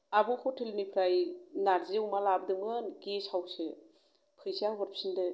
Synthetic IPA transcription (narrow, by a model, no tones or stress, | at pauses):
abɯkʰotʰelnipʰɾajnaɾzewmalab̚dɯmɯnkesawse | pʰɯjsiaɦɔɾpsinde